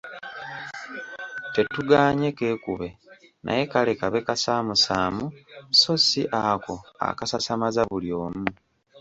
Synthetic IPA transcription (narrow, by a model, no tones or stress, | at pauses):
te̞tuɡaːɲeke̞ːkuβe̞ | nʔa̰je̞kale̞kaβe̞kasaːmusaːmuso̞siʔako̞a̰kasasamazaβuljo̞ːmu